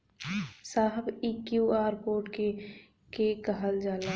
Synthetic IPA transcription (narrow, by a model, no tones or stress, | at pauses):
saːɦəbiːkjuːaːɾpoːɾʈke | kekəɦəld͡ʒaːlaː